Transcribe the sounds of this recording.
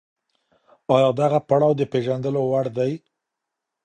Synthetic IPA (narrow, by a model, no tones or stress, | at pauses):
ɑjɑd̪aɣapaɽawd̪əpeʒand̪əlowaɽd̪aj